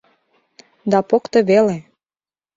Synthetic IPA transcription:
d̪ɑpokt̪ɤβele

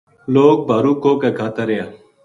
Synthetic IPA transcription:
loːɡ̚baːɾuːkoːkeɡʱaːt̪aɾejãː

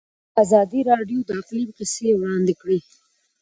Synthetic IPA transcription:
azɑd̪iɾɑɖjod̪əaqlimqɪsewɽɑnd̪ɪkɽi

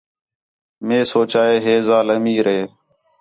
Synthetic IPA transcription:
mẽːsoːt͡ʃaːeːɦeːzaːləmiːɾeː

